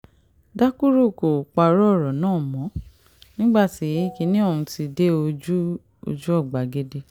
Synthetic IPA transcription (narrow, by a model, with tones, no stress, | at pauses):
da˦ku˦ɾo˦˨ko˨k͡pa˨˧ɾɔ˦˨ɾɔ˨nãː˦˨mɔ̃˨˦ | nĩ˦ɡ͡ba˦˨ti˨˦˨ki˨˧˦nĩ˦ɔ̃˦˨ũ˧ti˧de˦o˧d͡ʒu˦ | o̰˧d͡ʒu˦ɔ˦˨ɡ͡ba˨˦ɡe˦de˧